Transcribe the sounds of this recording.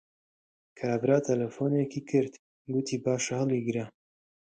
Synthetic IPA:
kʰɐɾaːbɾaːt̪ʰɐlɐfoːnekiːkʰɨɾt̪ | ɡut̪ʰiːbaːʃɐhɨliːɡɨɾa

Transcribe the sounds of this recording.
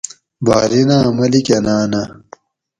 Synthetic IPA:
ba̰ːɾinaːmɐlikɐnaːnɐ

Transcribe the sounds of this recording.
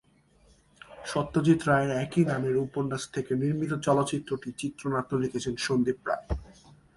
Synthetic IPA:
ʃɔt̪ːot͡ɕit̪ːɾaeɾɛkinameɾupoɾnːaʃt̪ʰekeniɾmit̪̬ot͡ɕɔlotːɕit̪ːɾoʈit͡ɕit̪ːɾonat̪ːolikʰet͡ɕʰenʃond̪ipːɾa̰e

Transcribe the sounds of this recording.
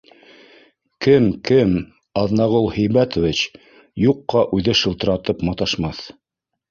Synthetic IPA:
kɘmkɘm | ɑðnɑʁulˠhɘ̆jmæt̪ŏvit͡ɕ | juqːɑʔʉðɘʃɤ̆lˠt̪ɤ̆ɾɑt̪ɤpmɑt̪ɑʃmɑθ

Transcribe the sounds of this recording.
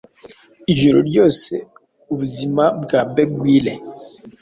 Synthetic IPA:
iʒoɾo̰djɔsɛ | ubzimabɡabɛɡwilɛ

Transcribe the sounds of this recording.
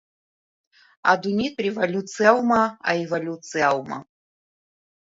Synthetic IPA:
a̰d̪unʲit̪rʲɛvalʲut̪sɨawmɐa̰ivalʲut̪sɨawmɐ̰

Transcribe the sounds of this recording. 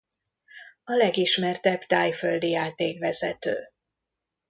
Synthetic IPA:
ɒlɛɡiʃmɛrt̪ɛbt̪aːjføld̪ijaːt̪eːkvɛzɛt̪ø̰ː

